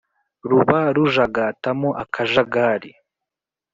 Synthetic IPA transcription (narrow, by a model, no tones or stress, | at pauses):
ɾuβaɾuʒaɡatamoʔakʰaʒaɡaːɾi